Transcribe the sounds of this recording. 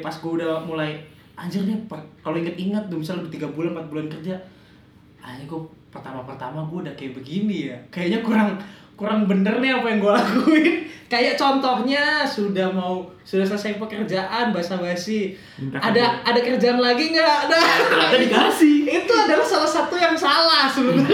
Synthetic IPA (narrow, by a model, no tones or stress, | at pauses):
pasɡuaudamulaj | ʔaɲd͡ʒərɲapəkaloiŋat̪iŋat̪̚dumisaludaht̪iɡabulanmpat̪̚bulankərd͡ʒa | aɲaɡupərt̪amapərt̪amaɡuadakajaʔbəɡinijakajaʔɲakuɾaŋ | kuɾaŋbənərnɪapajaŋɡuaɡuɪnkajaʔ̚t͡ʃɔnt̪ɔhɲasudahmau | sudahs̬alasajɪŋpəkərd͡ʒaʔanbaasabaasɪ | adaːdakərd͡ʒaʔanlaɡiŋɡaadalaaikasiit̪uadalahsalahsat̪ujaŋsalahsəlut̪